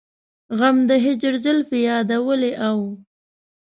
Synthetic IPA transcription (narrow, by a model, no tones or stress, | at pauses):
ɣamd̪əɦɪd͡ʒɪɾd͡ʒəlfejɑd̪awəleʔaw